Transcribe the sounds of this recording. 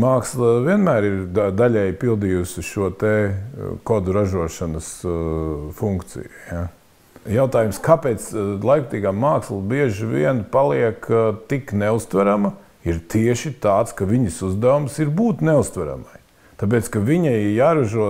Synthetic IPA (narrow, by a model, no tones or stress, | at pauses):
maːkslˠviɛnmæːɾiɾd̪ad̪aʎʲɛjpilˠd̪ijusʲɪʃuɔt̪ekɔd̪uɾaʒuɔʃɐnəs | fuŋkt̪sḭjuja | jaʊt̪aːjumskapeːt̪slˠajkt̪iːɡamːaːkslˠɐbiɛʒiʋḭɛnpalˠiɛkt̪ikneust̪ʋæɾamɐ | iɾt̪iɛʃit̪aːt̪skɐʋiɲɐsuzd̪æumsiɾbuːt̪neust̪ʋæɾa̰ma̰j | t̪aːp̬eːt̪skɐʋiɲɐjijaːɾɐʒuɔ